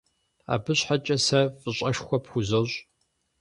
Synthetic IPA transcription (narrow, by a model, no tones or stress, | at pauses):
a̰ːbɨɕħat͡ʃʼɐsɐfʼɨɕʼɐʃxʷɔpxʷʊzoɕʼ